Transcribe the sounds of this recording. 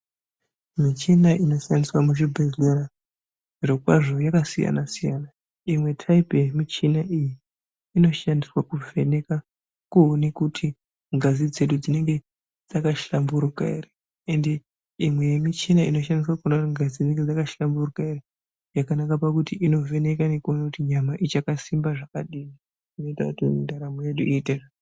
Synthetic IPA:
mit͡ʃinaʔino̞siandiswamuʃibʱezlora | ʐiɾokwaʐo̞jakasija̰nasijana | imwe̞tʰaipemit͡ʃinaʔijiː | no̞ʃandiswakuvʱe̞ne̞ka | kuɦonekutʰi | ŋɡazid͡ze̞ɗud͡zine̞ŋɡe̞ | d͡zakaʃambuɾuka̰ḭre | ende̞ | imwe̞jemit͡ʃinaino̞ʃandis̬wakunaiŋɡazid͡zine̞ŋɡed͡zakaʃamburukaire | jakanakapakutiʔino̞vʱe̞ne̞kane̞kuonakutiɲamaʔit͡ʃakasimbaʐakaɗii | ino̞ita̰kutindaɾamojeɗuʔiːteʐa

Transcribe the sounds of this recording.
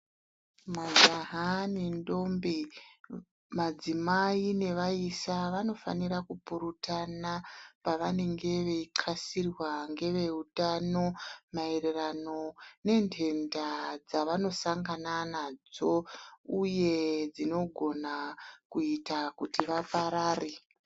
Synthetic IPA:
mad͡ʒaɦanendo̞mbi | mad͡zimaine̞ʋaisaʋano̞fa̰nirakupuɾutanapaʋane̞ŋɡe̞ʋe̞iǃʰasirwaŋɡe̞ʋe̞utano̞mae̞re̞rano̞ne̞ntʰe̞ndad͡zaʋano̞saŋɡananad͡zo̞uje̞d͡zino̞ɡʱo̞nakuitakutiʋapaɾaːri

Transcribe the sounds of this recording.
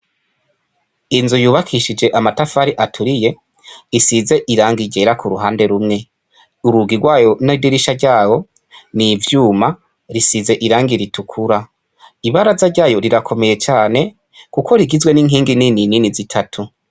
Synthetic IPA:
inzujuːβakʰiʃid͡ʒe̞ʔamatafaɾiʔatʰuɾije̞ | isize̞ʔiɾaːŋɡiɟe̞ɾakʰuɾuɦaːnde̞ɾumŋe̞ | uɾuɡiɡwaːjo̞nadiɾiʃaɾɟaːwo̞ | nivjuːma | ɾisize̞ʔiɾaːŋɡiɾitʰukʰuɾa | iβaɾazaɾɟaːjo̞ɾiɾakʰo̞me̞je̞t͡ʃaːne̞ | kukʰo̞ɾiɡizwe̞niːŋɦiːŋɡininininizitʰatʰu

